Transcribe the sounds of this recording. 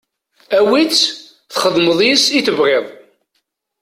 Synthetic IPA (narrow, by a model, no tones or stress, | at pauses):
æwit͡sː | θχəðˤməðˤjəsiθəvʁeðˤ